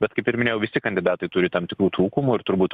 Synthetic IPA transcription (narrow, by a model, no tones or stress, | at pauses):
bʲɛt̪kɐɪpɪɾʲmʲɪnʲeːjɛʊʋʲɪsʲɪkɐnʲd̪ʲɪd̪ɑːt̪ɐɪt̪ʊɾʲɪt̪ɐmt̪ʲɪkɾuːt̪ɾuːkʊmuɪɾt̪ʊɾbuːt̪